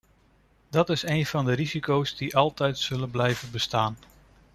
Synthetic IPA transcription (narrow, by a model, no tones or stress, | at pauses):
dɑtɪsejnv̥ɑndəɾizikowzdiʔɑlˠtɛjtsɵlənblɛjvənbəstaːn